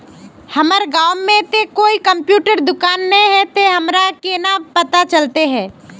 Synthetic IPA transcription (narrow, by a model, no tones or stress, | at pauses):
hɐməɾɡaːwmẽt̪ekoːikɐ̃mpjuːʈəɾd̪ʊkaːnːɐĩɦɛ̃t̪eɦɐmɾakenapɐt̪at͡ʃɐlt̪eɦɛ̃ː